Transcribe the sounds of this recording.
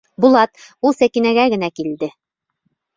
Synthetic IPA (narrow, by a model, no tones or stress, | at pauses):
bulˠɑt̪̚ulˠsækinæɡæɡɘ̆nækild̪ɘ